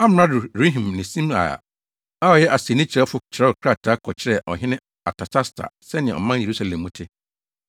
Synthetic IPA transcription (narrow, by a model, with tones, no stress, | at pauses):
a˦m˨ɾã˦˨ɾe˦ɦĩ˨mnɪ̃˨sĩ˦ma̰˨a̰˨ | a˦ɔ˨jɛ˦ʔa˨si˨nɪ̃˦t͡ɕʰɪ˨ɾɛ˦fʊ˦t͡ɕʰɪ˨ɾɛ˦ɔ˨kʰɾa˦˨tʰa˦kʰɔ˨t͡ɕʰɪ˦ɾɛ˦˨ʔɔ̰˨ɦɪ̃˦nɪ̃˦ | a̰˨tʰa˨tʰa˦stʰa̰˨sɛ˦nɪ̃˨ɛ̰̃˨ɔ̰˨mã˦n˨e˨ɾu˦sa˨lɛ̃˨mːũ˦tʰɪ˦